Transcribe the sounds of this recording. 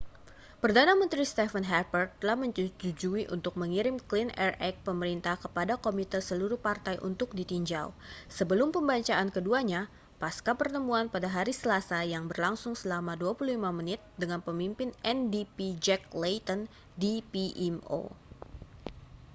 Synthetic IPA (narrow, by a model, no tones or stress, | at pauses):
pərdanamənt̪ɾist̪ɛfənɦɛpərt̪̚t̪ːəlahməɲt͡ʃut͡ʃud͡ʒuiʔṵnt̪ʊk̚məŋiɾɪmklinɛrɛk̚pəməɾint̪ahkəpadakomit̪əsəluɾuhpart̪ajʔṵnt̪ʊk̚dit̪iɲd͡ʒa̰wsəbəlʊmpəmbaɲt͡ʃaʔankəduaɲa | paskapərt̪əmuanpadaɦaɾisəlasajaŋbərlaŋsʊŋsəlamaduapulullimamənɪt̪̚dəŋanpəmimpɪnʔɛndipid͡ʒɛk̚lejt̪ɔn | dipiʔɛmo̰